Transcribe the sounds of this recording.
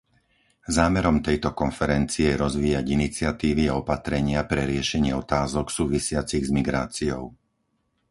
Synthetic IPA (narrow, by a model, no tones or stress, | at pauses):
zaːmɛɾɔmt̪ɛjt̪ɔkɔnfɛɾɛnt͡siɛɾɔzʋiːjaɟinit͡sɪat̪iːʋiaɔpat̪ɾɛɲɪapɾɛɾɪɛʃɛɲɪɛɔt̪aːzɔksuːʋisɪat͡siɣzmiɡɾa̰ːt͡siɔ̰ʊ